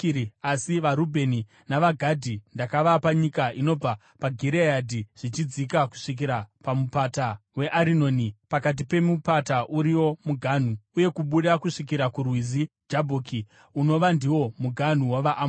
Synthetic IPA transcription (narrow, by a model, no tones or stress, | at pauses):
asiʋaɾubʱe̞ni | naʋaɡʱadʱindakaʋapaɲikaino̞b͡va | paɡʱiɾejadʱiʐ̥it͡ʃid͡zikaku̥ʂik̬iɾapamupatawe̞ʔaɾino̞ːnipakat̬ipe̞mupataʔuɾiwo̞muɡʱan̤uuje̞kuɓuɗakuʂik̬iɾakurwizi | d͡ʒabʱoki | uno̞ʋandiwo̞muɡʱan̤uwaʋaʔam